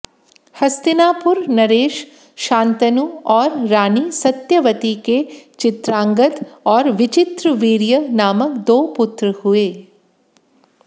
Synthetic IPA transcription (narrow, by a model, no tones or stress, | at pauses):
hɐst̪ɪnaːpʊɾnɐɾeːʃ | ʃãːnt̪ənuɔːɾːaːnisɐt̪jɐʋɐt̪iket͡ʃɪt̪ɾãːŋɡət̪ɔːɾʋɪt͡ʃɪt̪ɾəʋiːɾjənaːməkd̪oːpʊt̪ɾəhueː